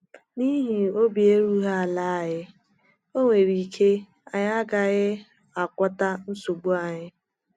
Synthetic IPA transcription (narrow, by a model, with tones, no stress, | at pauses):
ni˦ɦi˨o˦bi˨e˦ɾu˦ɦa˦a˨la˦a˨ɣɪ˦ | o˦ŋʷe˨ɾi˨kʰe˦ | a˨ɲ˦a˦ɡa˨ɣɪ˦ | a˨kʷɔ˦ta˦n̩˦so˨ɡ͡bu˦a˨ɲɪ˦